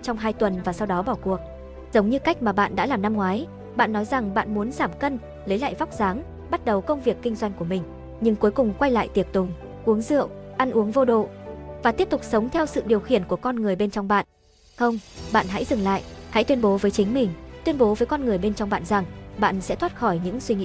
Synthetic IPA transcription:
t͡ɕɔ˧wŋ͡mɦaː˧jt̪wə˨˩nvaː˨˩sa˧wɗɔ˨˦ɓɔ˧˩ku˨˩ək̚ | z̥ə˨˦wŋ͡mɲɨ˧ka˦˥jk̟̚maː˨˩ɓa̰ː˧˨nɗa̰ː˧˥laː˨˩mna˧mŋwaː˨˦j | ɓa̰ː˧˨nːɔ˨˦jza˨˩ŋɓa̰ː˧˨nmu˨˦ənzaː˧˩mkə˧n | lə˨˦jla̰ː˧˨jva˦˥k͡p̚zaː˨˦ŋ | ɓa˦˥t̚ɗə˨˩wkə˧wŋ͡mvi˨˩əkːï˧ŋzwa˧jŋ̟ku˧˩əmï˨˩ŋ̟ | ɲɨ˧ŋku˨˦jkʊ˨˩ŋ͡mkwa˧jla̰ː˧˨jt̪i˨˩ək̚t̪ʊ̰˨˩ŋ͡m | ʔu˨˦əŋzɨ̰˧˨əwʔa˧nʔu˨˦əŋvo˧ɗo̰˧˨vaː˨˩t̪i˦˥əp̚t̪ʊ˨˩k͡p̚sə˨˦wŋ͡mt̪ʰɛ˧wsɨ̰˧˨ɗi˨˩əwxḭ˧˩ənku˧˩əkɔ˧nŋɨ˨˩əjɓe˧nt͡ɕɔ˧wŋ͡mɓa̰ː˧˨n | xə˧wŋ͡mɓa̰ː˧˨nɦa̰˧˥jzɨ˨˩ŋla̰ː˧˨jha̰˧˥jt̪wi˧ə˧nɓo˨˦vəː˨˦jt͡ɕï˨˦ŋ̟mï˨˩ŋ̟t̪wi˧ənɓo˨˦vəː˨˦jkɔ˧nŋɨ˨˩əjɓe˧nt͡ɕɔ˧wŋ͡mɓa̰ː˧˨nza˨˩ŋɓa̰ː˧˨nsɛ̰˧˥t̪ʰwaː˦˥t̚xɔ˧˩jɲɨ̰˧˥ŋswi˧ŋḭ˧˥

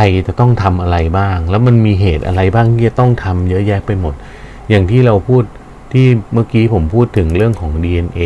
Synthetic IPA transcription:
a˧jt͡ɕa˨˩t̪ɔ˥˩ŋt̪ʰa˧mʔa˧ɾa˧jbaː˥˩ŋlɛ˦˥wma˧nmiː˧ɦeː˨˩t̪̚ʔa̰˧ɾa˧jbaː˥˩ŋt̪ʰiː˥˩t͡ɕa˨˩t̪ɔ˥˩ŋt̪ʰa˧mjɤ˦˥jɛː˦˥˩k̚pa˧jmo˨˩t̪̚ | jaː˨˩ŋt̪ʰiː˥˩ɾa˧wpʰuː˥˩t̪̚ʰː | iː˥˩ma˥˩kiː˦˥pʰo˩˦mpʰuː˥˩t̪ʰːɯ˩˦ŋɾɯ˥˩əŋkʰɔː˩˦ŋdiː˧ʔe˧nʔeː˧

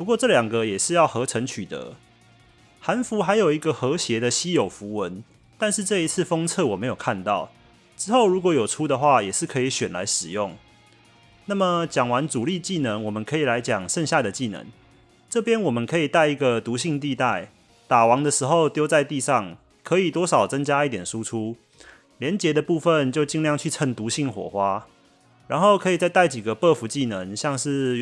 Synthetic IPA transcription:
pu˧kwɔ˥˧ʈ͡ʂɤ˥˩ljɑ˨˩ŋɡə˨jɛ˨˩ʂɻ̩˥˧jɑ˥˩ʊxɤ˧˦˥ʈ͡ʂʰə˧˥ŋt͡ɕʰy˨˩t̪ə̰˧˦ | ha˧˦nfu˨˦xa˧˥ɪjo˨˩ʊi˧˥ɡə˨xɤ˨˦ɕjɛ˧˦d̪ə˨ɕi˥jo˨˩ʊfu˧˦wə˨˦n | t̪a˥˧nʂɻ̩˥˧ʈ͡ʂɤ˥˩i˧˦t͡s̩ʰ˥˩fɔ˥ŋt͡sʰɤ˥˩wɔ˨˩me˨˥ɪjo˨˩kʰa˥˧nt̪ɑ˥˩ʊ | ʈ͡ʂɻ̩˥xo˥˩ʊɻu˨˥kwɔ˧˥jo˨˩ʊʈ͡ʂʰu˥d̪ə˨xwa˥˩jɛ˨˩ʂɻ̩˥˩kʰɤ˧˥i˨˧˩ɕɥɛ˨˩nla̰˧˦ɪʂɻ̩˨˩jʊ˥˩ŋ | na˥˩mə˨˩t͡ɕjɑ˨˩ŋwa˧˦nt͡su˨˩li˥˧t͡ɕi˥˩nə˧˦ŋwɔ˨˩mə˨nkʰɤ˧˥i˨˩la˧˦ɪt͡ɕjɑ˨˩ŋʂə˥˧ŋɕja˥˩d̪ə˩t͡ɕi˥˨˩nə̰˧˦ŋ | ʈ͡ʂɤ˥˩pjɛ˦˥nwɔ˨˩mə˨˦nkʰɤ˧˥i˨˩t̪a˥˩ɪi˧˥ɡə˨t̪u˨˧˥ɕi˥˧ŋt̪i˥˧t̪a˥˩ɪ | t̪a˨˩wɑ˨˦ŋd̪ə˨ʂɻ̩˧˥xo˥˧ʊt̪jo˥ʊt͡sa˥˧ɪt̪i˥˧ʂɑ˥˩ŋ | kʰə˧˦˥i˨˩t̪wɔ˥ʂɑ˨˩ʊt͡sə˦ŋt͡ɕja˥i˥˩t̪jɛ˨˩nʂu˦ʈ͡ʂʰu˦ | ljɛ˧˦nt͡ɕjɛ˧˦d̪ə˨pu˥˧fə˥˨nt͡ɕjo˥˧ʊt͡ɕi˥˧ŋljɑ˥˧ŋt͡ɕʰy˥˧t͡sʰə˥˧˩ŋt̪u˨˧˥ɕi˥˩ŋxwɔ̰˨˩xwa˦˥ | ɻa˧˦nxo˥˩ʊkʰɤ˧˥i˨˩t͡sa˥˧ɪt̪a˥˩ɪt͡ɕi˨˩ɡə˦pɤ˥˧fu˧˥t͡ɕi˥˩nə˧˦ŋɕjɑ˥˧ŋʂɻ̩˥˩

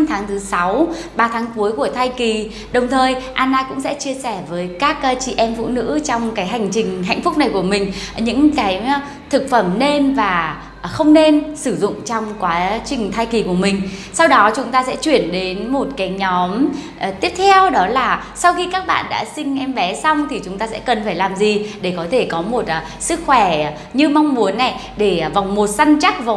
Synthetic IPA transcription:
t̪ʰaː˨˦ŋt̪ʰɨ˨˦sa˨˦w | ɓaː˧˩t̪ʰaː˨˦ŋku˨˦əjku˧˩ət̪ʰaː˧jki˨˩ | ɗə˨˩wŋ͡mt̪ʰəː˨˩jʔaː˧nːaː˧kʊ̰˧˥ŋ͡msɛ̰˧˥t͡ɕi˧əsɛ˧˩vəː˨˦jkaː˦˥k̚t͡ɕḭ˧˨ʔɛ˧mfṵ˧˨nɨ̰˧˥t͡ɕɔ˧wŋ͡mkaː˨˦jɦa˨˩jŋ̟t͡ɕï˨˩ŋ̟ɦa̰˧jŋ̟fʊ˦˥k͡p̚na˨˩jku˧˩əmï˨˩ŋ̟ɲɨ̰˧˥ŋkaː˨˦j | t̪ʰɨ˨˩k̚fə˧˩mne˧nvaː˨˩ | xə˧wŋ͡mne˧nsɨ˧˩zʊ̰˧˨ŋ͡mt͡ɕɔ˧wŋ͡mkwaː˨˦t͡ɕï˨˩ŋ̟t̪ʰaː˧jki˨˩ku˧˩əmï˨˩ŋ̟sa˧wɗɔ˨˦t͡ɕʊ˨˦ŋ͡mt̪aː˧sɛ̰˧˥t͡ɕwi˧˩ənɗe˨˦nmo˨˩t̚kaː˨˦jɲɔ˨˦m˩ | t̪i˦˥əp̚t̪ʰɛ˧wɗɔ˨˦laː˨˩ | sa˧wxi˧kaː˦˥k̚ɓa̰ː˧˨nɗa̰ː˧˥sï˧ŋ̟ʔɛ˧mɓɛ˨˦sa˧wŋ͡mt̪ʰi˨˩t͡ɕʊ˨˦ŋ͡mt̪aː˧sɛ̰˧˥kə˨˩nfaː˧˩jlaː˨˩mzi˨˩ɗe˧˩kɔ˨˦t̪ʰe˧˩kɔ˨˦mo˨˩t̚ː | sɨ˦˥k̚xwɛ˧˩ | ɲɨ˧ma˧wŋ͡mmu˨˦ənːa˨˩j | ɗe˧˩va˨˩wŋ͡mmo˨˩t̚za˧ŋt͡ɕa˦˥k̚va˨˩

